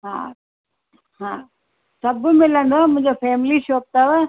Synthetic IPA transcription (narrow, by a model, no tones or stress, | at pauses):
ɦã̰ː | ɦãː | sɐbmɪlə̃ɳd̪oamʊ̃ɦɪ̃ɲd͡ʑofʰeːmliʃoːp̚t̪aʋə